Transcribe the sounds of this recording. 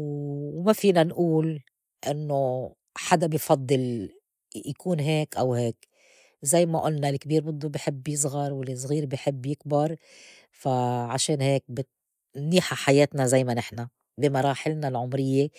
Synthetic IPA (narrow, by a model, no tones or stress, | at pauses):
wmafiːnanʔuːl | ʔɪnːo | ħad̪abɪjfɑd̪ˤːɨl | jakuːnɦeːkʔawɦeːk | zajːmaʔʊlnalkbiːɾbɪd̪ːubɪħɪbːjɨs̬ˤɣɑɾˤwɪls̬ˤɣiːɾbɪjħɪbːjɪkbɑɾˤ | faʕaʃeːnheːk̚bɪ | nːiːħaħajeːt̪nazajmanɪħna | bɪmɑɾˤɑːħɪlnalʕʊmɾɪjːe